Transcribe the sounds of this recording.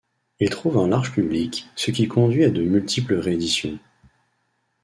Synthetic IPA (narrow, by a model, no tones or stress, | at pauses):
ilt̪χuvɛ̃laʁʒpybliksəkʲikʰɔ̃d̪ɥiad̪əmylt̪ipləʁeːd̪isjɔ̃